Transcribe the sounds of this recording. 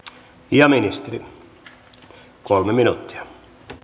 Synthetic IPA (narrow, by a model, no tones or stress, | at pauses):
jɑminist̪eri | kolmeminut̪ːi̥ɑ̥